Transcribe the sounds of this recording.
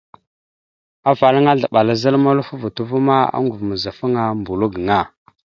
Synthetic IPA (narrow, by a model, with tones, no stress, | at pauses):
a˦va˨ɾa˦ŋa˦ɮa˨ɓa˨la˦za˦lma˦lu˦fu˦vu˨tu˦vu˦ma˦a̰˦ŋɡu˨vmə˨za˨fə˦ŋa˦mbu˨lu˦ɡŋa˦